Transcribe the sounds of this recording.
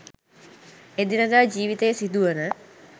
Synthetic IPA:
ed̪inəd̪aːd͡ʒiːʋit̪əjəsid̪uʋənə

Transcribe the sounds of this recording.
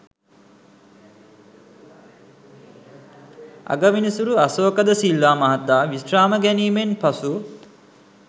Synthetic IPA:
a̰ɡəʋinisuɾuasoːkəd̪əsilːaːmɐɦat̪ːaːʋisraːməɡɛniːmenpasu

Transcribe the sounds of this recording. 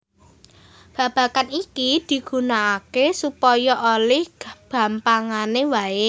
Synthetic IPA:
b̥ä̤b̥ä̤kanikid̪̥i̤ɡ̥ṳnaːkesupɔjɔʔolɪhɡ̥b̥ä̤mpaŋanewae

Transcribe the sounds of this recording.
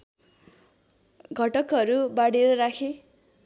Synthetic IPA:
ɡʱʌʈʌkɦʌɾubaɽeɾʌɾakʰe

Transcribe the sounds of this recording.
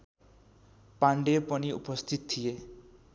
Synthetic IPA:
paɳɖepɔñiṵpɔst̪ʰit̪ɔt̪ʰie

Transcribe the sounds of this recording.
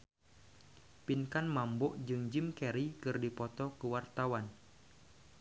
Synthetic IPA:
pinkanmambɔʔd͡ʒɨŋd͡ʒimkɛɾikɨrdipɔt̪ɔkəwart̪awan

